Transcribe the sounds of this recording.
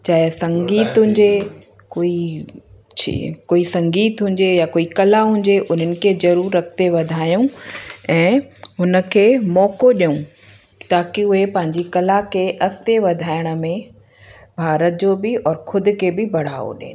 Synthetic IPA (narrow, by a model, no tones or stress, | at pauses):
t͡ɕɐɦɪsɐ̃ŋɡiːt̪ɦʊ̃ɲ̆d͡ʑe | koːi | t͡ɕʰḭkoːisɐ̃ŋɡiːt̪ɦʊ̃ɲd͡ʑejakoːikɐlaɦʊ̃ɲd͡ʑeʔʊn̤ənɪ̆kʰezɐɾuːɾːɐkʰt̪eʋɐd̪ʱaːjũɛ̃ːɦʊnə̆kʰeːmɔːkoɗijũ | t̪aːkiʊɦepɐ̃ɦɪ̃ɲd͡ʑikɐlakʰeʔɐkʰt̪eʋɐd̪ʱaːɪɽ̃ə̆mẽ | bʱaːɾət̪̚d͡ʑoːbɪɔːɾkʰʊd̪ʱʊ̆kʰeːbɪbɐɽ̤aːo̰ɗḛːn